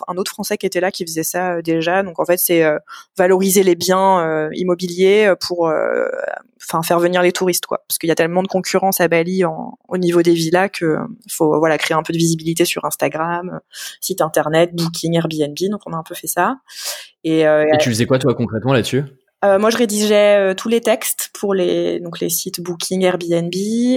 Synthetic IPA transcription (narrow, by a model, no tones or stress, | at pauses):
ɛ̃not̪χfχɑ̃sɛkʲiet̪ɛlakʲifəzɛsaød̪eʒad̪ɔ̃kɑ̃fɛt̪sɛøvalɔʁizelebjɛ̃øḭmɔbiljeøpʰuʁø̰̃ | fɛ̃fɛʁvəniʁlet̪ʰuʁist̪kwa̰pḁʁskəiljat̪ɛlmɑ̃d̪əkɔ̃kʲʰyʁɑ̃sabaliɑ̰̃onivod̪evilakʰəfovwalakχeeɛ̃pød̪əvizibilit̪esyʁɛ̃st̪aɡʁamø̰sit̪ɛ̃t̪ɛʁnɛt̪̚buk̬ʲʰiŋɛʁbiɛnbid̪ɔ̃kɔ̃naɛ̃pøfɛsa | eøet̪yfəzɛkwat̪wakɔ̃kχɛt̪mɑ̃latsy | ømwaʒəʁed̪iʒɛøt̪ʰulet̪ɛkst̪pʰuʁled̪ɔ̃klḛsit̪bukʲʰiŋɛʁbiɛnbi